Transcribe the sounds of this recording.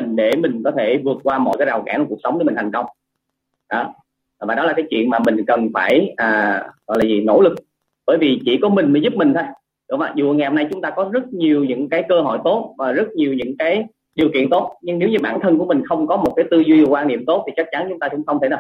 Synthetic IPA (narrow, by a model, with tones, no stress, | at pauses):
i˨˩ŋ̟ɗe˧˩mï˨˩ŋ̟kɔ˨˦t̪ʰe˧˩vɨ˨˩ət̚kwaː˧mɔ̰˧˨jkaː˨˦jzaː˨˩wkaː˧˩n˨˩ku˨˩ək̚sə˨˦wŋ͡mɗə˨˦mi˨˩t̪ʰa˨˩ŋ̟kə˧wŋ͡m | ɗɔ˨˦˨ | vaː˨˩ɗɔ˨˦laː˨˩kaː˨˦jt͡ɕwḭ˧˨ənmaː˨˩mï˨˩ŋ̟kə˨˩nfaː˧˩jʔaː˨˩ɣɔ̰˧˨jlaː˨˩zi˨˩no̰˧˥lɨ˨˩k̚ | ɓəː˧˩˦jvi˨˩t͡ɕḭ˧˩ku˧˩˦mï˨˩ŋ̟məː˨˦jzʊ˦˥p̚mi˨˩ŋʰaː˧j | ɗɔ̰˧˨˩maː˨˩zṵ˨˧˩ŋ˨˩hmna˧jt͡ɕʊ˨˦ŋ͡mt̪aː˧kɔ˨˦zə˦˥t̚ɲi˨˩əwɲɨ̰˧˥ŋkaː˨˦jkəː˧ɦɔ̰˧˨jt̪o˦˥t̚vaː˨˩zə˦˥t̚ɲi˨˩əwɲɨ̰˧˥ŋkaː˨˦j | ɗi˨˩əwkḭ˧˨nt̪o˦˥t̚ɲɨ˧ŋne˨˦wɲɨ˧ɓaː˧˩nt̪ʰə˧nku˧˩əmï˨˩ŋ̟xə˧wŋ͡mkɔ˨˦mo˨˩t̚kaː˨˦jt̪ɨ˧zwi˧˨˩kwaː˧nḭ˧˨əmt̪o˦˥t̪̚ʰi˨˩t͡ɕa˦˥k̚t͡ɕa˨˦nt͡ɕʊ˨˦ŋ͡mt̪aː˧kʊ̰˧˥ŋ͡mxə˧wŋ͡mt̪ʰe˧˩a˧˨˩